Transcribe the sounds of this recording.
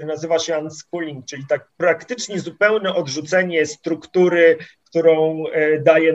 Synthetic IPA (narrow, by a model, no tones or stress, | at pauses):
nazɘvaɕɛant̪skulʲiŋk̚t͡ʂɘlʲit̪ak̚pɾakt̪ɘt͡ʂɲɛzupɛwnɛʔɔd̪ʐut̪sɛɲɛst̪ɾukt̪uɾɘkt̪uɾɔ̃w̃d̪ajɛ